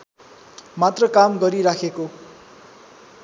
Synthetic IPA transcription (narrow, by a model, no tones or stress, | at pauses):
mat̪rʌkamɡʌɾiɾakʰeko